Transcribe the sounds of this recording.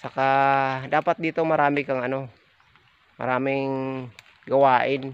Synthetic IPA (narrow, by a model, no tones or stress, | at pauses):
sakadapat̪̚dit̪umaɾamikaŋano | ma̰ɾamiŋ | ɡawain